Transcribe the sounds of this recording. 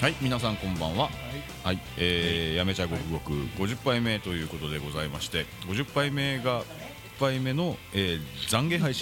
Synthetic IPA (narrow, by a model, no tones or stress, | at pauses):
haimʲinasãŋkõ̞mbã̰ɰ̃βa | hai | eːjame̞t͡ɕaɡo̞kɯ̟ɡo̞kɯ̟̰ɡo̞ʑɯpːaime̞t̪o̞jɯ̟ːko̞t̪o̞d̪e̞ɡo̞zaimaɕi̥t̪e̞ɡo̞ʑɨpːaime̞ɡa | pːaime̞no̞eːzãŋɡe̞ɦaiɕĩ